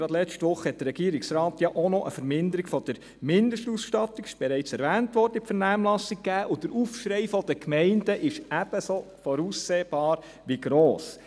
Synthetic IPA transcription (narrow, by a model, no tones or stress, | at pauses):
ɾɑd̥̪lɛt͡ʃtʋʊχəhɛt̚d̥̪əɾːɛɡ̥iːɾiksɾɑːt̪jɑʔonɔʔəfəɾmɪnd̪əɾiɡfɔd̥̪əɾ | mɪnd̪əʃtusʃtɑtːikɪ̥ʃb̥ɛɾɛɪt͡sɛɾʋæːntʋɔɾd̥əɪpfəɾnæːmlɑsik̚kæːʔʊd̥əɾufʃɾɛɪfɔd̥̪əkmɛɪnd̥əʔɪʃæb̥əso | fɔɾuːsːeːb̥ɑːɾ | ʋiɡɾoːs